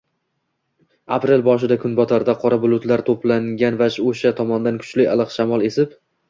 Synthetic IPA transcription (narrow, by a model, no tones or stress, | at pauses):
apɾe̞lbɒʃ̬ɪd̪akʰʊnbɒt̪ʰaɾd̪aqʰɒɾabʊlˠʊt̪laɾt̪ʰoplaŋɡʲanvaʃoʃat̪ʰɒmɒnd̪ankʰʊ̥t͡ʃlɪa̰lˠɨqʃamɒlˠe̞sɪp